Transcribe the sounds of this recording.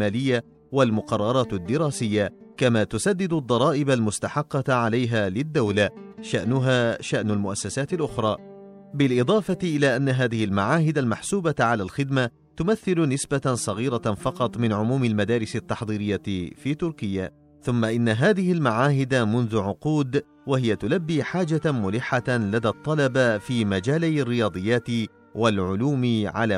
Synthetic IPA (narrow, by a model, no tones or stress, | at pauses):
aːlɪjːa | walmʊqɑrˤːɑɾˤɑːt̪d̪ːɪɾaːsɪjːakamaːt̪ʊsad̪ːɪd̪ʊd̪ˤːɑɾˤɑːʔɪbalmʊst̪aħɑqːɑʕalajɦaːlɪd̪ːawlaʃaʔnʊɦaːʃaʔnalmʊʔasːasaːt̪ɪlʔʊxɾˤɑ̰ː | bɪlʔɪd̪ˤɑːfɑʔɪlaːʔanːaɦaːðɪhɪlmaʕaːɦɪd̪almaħsuːbaʕalaːlxɪd̪ma | t̪ʊmaθːɪlʊnɪsbasˤɑɣiːɾafɑqɑt̪ˤmɪnʕʊmuːmalmad̪aːɾɪsat̪ːɑħðˤiːɾɪjːafiːt̪ʊɾkɪjːa | θʊmːaʔɪnːaɦaːðɪhɪlmaʕaːɦɪd̪amʊnðʊʕʊquːd̪ | wahɪjat̪ʊlabːiːħaːd͡ʒamʊlɪħːalad̪aːt̪ˤːɑlɑbafiːmad͡ʒaːlajarːɪjɑːd̪ˤɨjːaːt̪ɪ | walʕʊluːmʕa̰laː